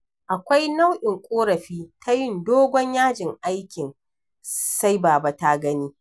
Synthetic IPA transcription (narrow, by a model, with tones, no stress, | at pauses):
ʔa˨kʷa˦jna˦wʔɪ˨ŋkʷʼoː˦ɾɐ˨ɸiː˦tʰa˦jɪ˦˨ndoː˦ɡʷɔ˦ɲjaː˦d͡ʒɪ˨ŋʔa˦jkʲɪ˨n | sa˦jbaː˨ba˦ta˦ɡɐ˦niː˦